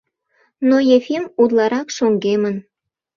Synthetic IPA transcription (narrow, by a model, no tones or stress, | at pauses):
nojefimud̪lˠɑɾɑkʃoŋɡemən